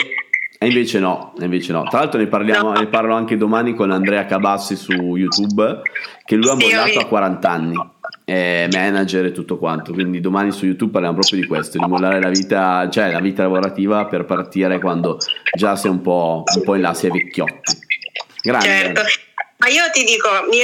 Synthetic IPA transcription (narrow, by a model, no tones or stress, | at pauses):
eiɱveːt͡ʃenɔiɱveːt͡ʃenɔ̰t̪ɾalalt̪ɾonojparljaːmoneparloaŋked̪omanikonand̪ɾɛːakabasːisujut̪ubk̟elːujamːolːaːt̪oakːwaɾant̪anːi | ɛmɛːnad͡ʒeɾet̪ːut̪ːokwant̪okwind̪id̪omaːnisujut̪ub̚pːaɾrljamop̬ɾɔːpɾjod̪ikwest̪od̪imolːaːɾelaviːt̪at͡ʃoɛlaviːt̪alavoɾat̪iːvaperpart̪iːɾekwand̪od͡ʒasiɛumpɔumpɔinlasɛvekːjɔ̰t̪ːi̥ɡɾat͡ʃɛɾet̪omaiːot̪id̪iːkomi